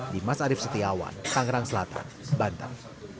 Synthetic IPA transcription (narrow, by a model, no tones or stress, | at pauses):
dimasaɾɪfsət̪iawa̰nt̪aŋɾaŋsəlat̪ʰa̰nbant̪a̰n